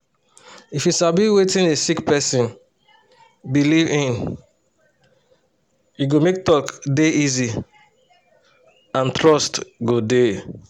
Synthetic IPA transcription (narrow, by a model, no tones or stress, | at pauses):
ifjiʃabiwetĩnesikpɛsĩn | bilivĩn | juɡomek̚tɔkdeʔizi | ãntɹɔstɡode